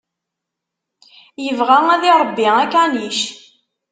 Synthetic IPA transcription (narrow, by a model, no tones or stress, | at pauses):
jəvʁæŋæðiɾˤəbːiækːaniʃ